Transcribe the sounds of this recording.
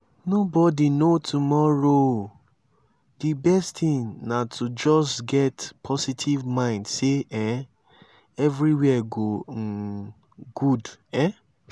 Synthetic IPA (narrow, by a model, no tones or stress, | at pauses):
nobɔdinotʰumɔɹo | dibɛsttĩnnatʰud͡ʒɔsɡɛtpʰɔsitʰivmãɪ̃ndseɛ̃ | ɛvɹiwɛɡo | ɡ̥udɛ̃